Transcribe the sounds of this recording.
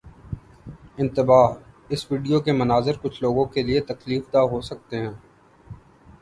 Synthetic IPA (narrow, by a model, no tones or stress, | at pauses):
ɪ̃nt̪ɪbaːɦ | ɪsʋiːɖijokemɐnaːzɪɾkʊt͡ʃʰloːɡõkeliet̪ɐkliːfd̪aɦosɐk̚t̪eɦɛ̃ː